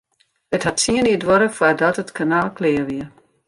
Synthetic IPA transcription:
ətɦatsiəniədʋoɾəxfwadɔtətkʰanaːlˠkʰlɪːəʋiə

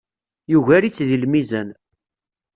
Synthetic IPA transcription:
juʝæɾit͡sːðilmizæn

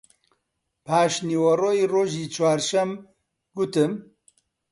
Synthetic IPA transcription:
pʰaːʃniːwɐroːjiːroːʒiːt͡ʃʰwaːɾʃɛm | ɡʊt̪ɨm

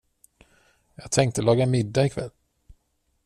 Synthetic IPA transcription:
jɑːɡ̚t̪ʰɛŋk̚t̪əlɑːɡamɪd̪ːaɪkʰvɛ̰lː

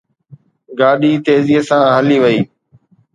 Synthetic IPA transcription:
ɡaːɗiːt̪eːziːsãːɦəliːʋəiː

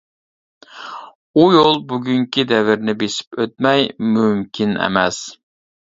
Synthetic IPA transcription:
ujolˠbuɡʲyŋkʲid̪ɛvɪɾnɪbeʃɪ̥pøt̪̚mɛjmymkʲʰinɛ̰mɛs

